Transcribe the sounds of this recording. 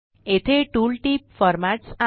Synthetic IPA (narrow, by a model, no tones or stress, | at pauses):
et̪ʰeʈulʈip̚fɔɾmaʈsa